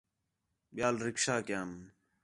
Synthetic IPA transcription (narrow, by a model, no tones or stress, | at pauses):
ɓjaːlɾɪkʃaːkjaːm